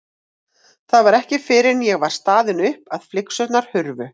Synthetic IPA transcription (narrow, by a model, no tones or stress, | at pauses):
θaðvaɾɛhcɪfɪɾɪnjɛɣvaɾ̥st̪aːðɪnʏhpaðflɪksœt̪naɾ̥hʏɾvʏ